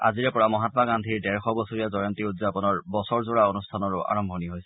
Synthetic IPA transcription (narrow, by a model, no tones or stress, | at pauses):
a̰ziɹɛpɔɹamɔɦat̪ɔmaɡandʱiɹdɛɹxɔbosoɹijazɔjɔnt̪iudzapɔnɔɹbɔsɔɹzʊɹaonustʰanɔɹʊʔa̰ɹɔmbʱɔniɦojsɛ̥